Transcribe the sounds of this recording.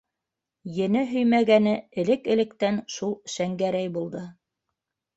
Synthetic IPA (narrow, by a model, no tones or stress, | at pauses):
jɘ̆nɘɦɵ̆jmæɡænɘɘ̆lɘkɘ̆lɘ̆kt̪ænʃulˠʃæŋɡæɾæjbulˠd̪ɤ